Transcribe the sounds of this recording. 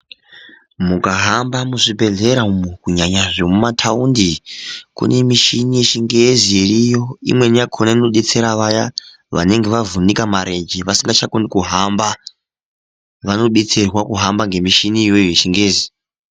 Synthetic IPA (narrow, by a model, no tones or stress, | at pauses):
mukaɦambamuʐibʱe̞ɮe̞ɾaumukuɲaɲaʐemumatʰaundikṵne̞miʃinijet͡ʃiŋɡezijeɾijo̞ḭmwe̞nijakʰonaino̞ɗet͡se̞ɾaʋaja | ʋa̰ne̞ŋɡe̞ʋavunikamaɾed͡ʒiʋasiŋɡat͡ʃakondikuɦamba | ʋano̞ɗet͡serwakuɦambaŋɡe̞miʃiniwejet͡ʃiŋɡe̞ːzi